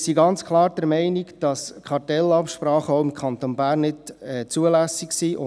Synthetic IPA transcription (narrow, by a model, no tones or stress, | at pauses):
siɡɑnt͡skʰlˠɑːɾd̥əɾmɛɪniɡd̥ɑskχɑrtɛlɑpʃpɾɑːχəɔʊɪmkʰχɑnt̪onbæːɾnːɪtɛːt͡suəlæsiksiʊ